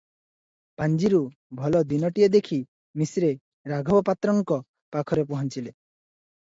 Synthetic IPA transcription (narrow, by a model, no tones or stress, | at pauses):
pand͡ʒiɾu | bʱɔlɔd̪inɔʈijɔd̪ekʰi | misɾe | ɾaɡʱɔbɔpat̪ɾɔŋkɔ | pakʰɔɾep̬uɦɔnt͡ʃile